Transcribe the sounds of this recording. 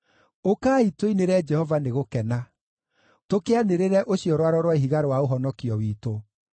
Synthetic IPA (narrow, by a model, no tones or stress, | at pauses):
okaːitwoineɾɛd͡ʒɛhɔvaneɣokɛna | tokeaneɾeɾɛʔoɕijɔɾwaɾɔɾwaiɦiɣaɾowaoɦɔnɔkiɔwiːto